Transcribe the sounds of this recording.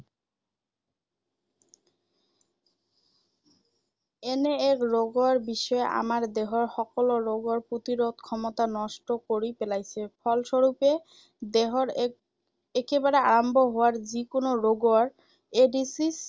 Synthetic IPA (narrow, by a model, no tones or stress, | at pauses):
eneekɾoɡoaɾbiʃɔeʔa̰maɾd̪eɦoɾʃɔkoloɾoɡoɾpɾot̪iɾod̪kʰɔmot̪anɔʃʈokoɾipelajt͡ɕʰefʰɔlʃoɾupe | d̪eɦoɾ | ekebaɾeaɾambʱoɦooaɾd͡ʑikonoɾoɡoaɾ | eɖisis